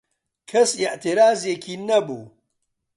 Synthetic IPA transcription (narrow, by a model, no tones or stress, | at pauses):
kʰɐsiʔt̪ʰiɾaːzjekʰiːnɐbṵː